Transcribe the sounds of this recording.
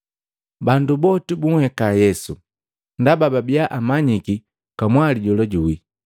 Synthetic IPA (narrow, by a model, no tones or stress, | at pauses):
bandubɔtibuŋhɛkajɛsu | ndabababiaʔamaɲiki | kamwaliɟɔlɔɟuwi